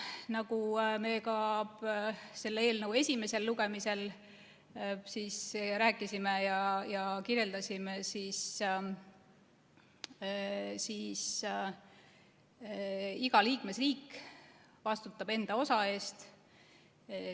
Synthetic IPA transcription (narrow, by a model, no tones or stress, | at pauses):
nɑkume̞kɑ | se̞lːeeːlnəwe̞sʲime̞se̞lːuɡe̞mise̞l | siːsɾæːkːˑisimejɑjɑkirje̞ld̪ɑsʲimesis | sis | iɡɑliːkme̞sriːkː | vɑst̪ut̪ːˑɑbe̞nd̪̥ɑo̞sɑe̞ːst̪